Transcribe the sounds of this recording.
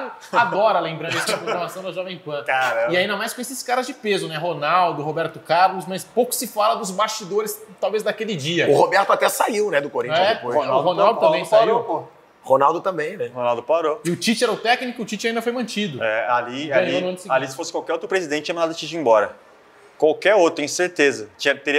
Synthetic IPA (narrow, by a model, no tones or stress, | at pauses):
ad̪ɔɾɐlẽmbɾɐ̃nd̪ɛsɐfooɾmasɐ̃w̃d̪ɐʒɔvẽj̃pɐ̃kaɐ̃ɪaĩnd̪ɐmajskõesɪskaɾɐzd͡ʒɪpezʊnɛɦonawd̪ʊɦobɛɾt̪ʊkaɾlʊsmɐspowkʊ̥sɪfalɐd̪ʊzbast͡ʃid̪oɾɪst̪awvezd̪akelɪd͡ʒiɐʊhobɛɾt̪ʊat̪ɛsaiwnɛd̪ʊkoɾĩt͡ʃɛpojonawhonawd̪ʊt̪ɐ̃mbẽjj̃saiwo | honawd̪ʊt̪ɐ̃mbẽj̃nɛhonawˠd̪ʊpaɾoɪʊt͡ʃit͡ʃɪɛɾɐʊt̪ɛknikʊʊt͡ʃit͡ʃɪaĩnd̪ɐfojmɐ̃nt͡ʃid̪ʊɛaliaĩsalisɪ̥fosɪ̥kwawkɛɾowt̪ɾʊpɾezid̪ẽtt͡ʃɪt͡ʃɐmɐ̃nad̪ɐt͡ʃit͡ʃɪẽbɔɾɐ | kwawkɛɾowt̪ɾʊẽseɾt̪ezɐt͡ʃĩɐt̪eɾiɐ